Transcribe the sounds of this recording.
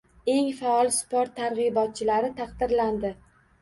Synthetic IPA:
e̞ŋfaɒlˠspoɾt̪ʰːaɾʁɨjbɒt̪̚t͡ʃʰɪlaɾɪt̪ʰɑqd̪ɪɾland̪ɪ

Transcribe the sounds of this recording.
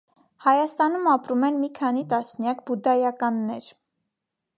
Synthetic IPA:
hɑjɑst̪ɑnumɑpɾumɛnmikʰɑnit̪ɑsnjɑk̚bud̪ɑjɑkɑnːɛɾ

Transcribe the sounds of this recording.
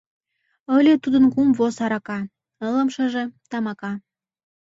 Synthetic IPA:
əlʲet̪ud̪ə̆nkumvosɑɾɑkɑ | ələmʃə̆ʒĕt̪ɑmɑkɑ

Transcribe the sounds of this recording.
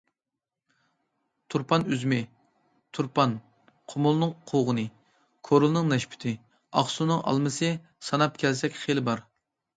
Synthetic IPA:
t̪ʰuɾpʰɑnyzmɪ | t̪ʰuɾpʰɑn | qʰʊmʊlˠnɨŋqʰoʁənɨ | kʰoɾʊlˠnɨŋnɛʃpʰɪ̥t̪ʰɪ | ɑ̰χsunɨŋʔɑ̰lˠmɨsɨ | sɑnɑp̚kʲʰɛlsɛkʲχelɪbɑɾ

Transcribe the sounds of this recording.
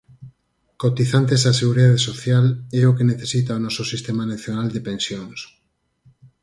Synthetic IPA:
kot̪iθant̪esaseɣuɾiðaðesoθjalɛokeneθesit̪aonɔsosist̪emanaθjonald̪epẽnsjoŋs

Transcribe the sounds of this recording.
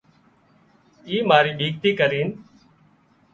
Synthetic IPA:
iːmaːɾiːɓiːk̚t̪iːkəɾiːn

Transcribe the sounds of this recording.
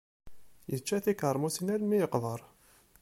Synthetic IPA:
jət͡ʃːæθikəɾˤmusinælmijəqðˤəɾˤ

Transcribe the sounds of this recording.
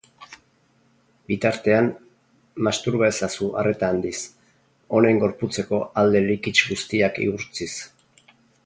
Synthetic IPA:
bit̪aɾt̪e̞an | mast̪uɾβaesasuʔare̞t̪aːnd̪is | o̞ne̞ŋɡo̞ɾput͡se̞ko̞ald̪e̞likit͡ʃɡust̪iakḭuɾt͡sis

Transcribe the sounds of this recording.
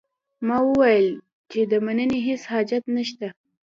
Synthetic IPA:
mɑwəwajəl | t͡ʃed̪əmanəneɦeshɑd͡ʒat̪naʃt̪a

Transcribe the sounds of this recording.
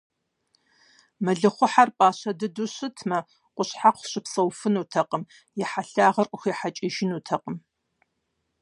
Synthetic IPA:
mɐɮɨχʷʊħarpʼaːɕɐdɨduɕɨtʰmɐ | qʷʊɕħaqʷɕɪpsɐwfɨnuːtʰɐqəm | jɛħaɬaːʁɐrʔʷʼʊxiːħat͡ʃʼɪʒɪnuːtʰɐqəm

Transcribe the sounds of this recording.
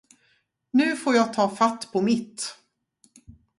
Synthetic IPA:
nʉ̟ːfoːɾjɑːɡ̚t̪ʰɑːfat̪ːpʰɔmɪt̪ː

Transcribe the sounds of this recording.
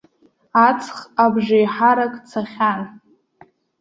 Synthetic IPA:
at͡sʰχabʒajħaɾakʼt͡sʰaχʲan

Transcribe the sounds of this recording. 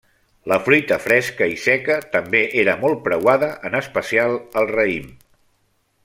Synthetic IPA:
ləfɾujt̪əfɾɛskəisɛkət̪əmbeʔeɾəmɔlˠt̪̚pɾəwaðəʔənəspəsialˠəlˠrəim

